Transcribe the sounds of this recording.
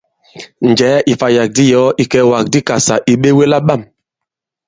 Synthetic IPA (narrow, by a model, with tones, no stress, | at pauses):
n˨d͡ʒɛː˨˦ʔi˨fa˨ja˨k̚di˦jɔ˦ʔi˦kɛ˨˦wa˨k̚di˦ka˨sa˨ʔi˨ɓe˦we˦la˦ɓa˦˨m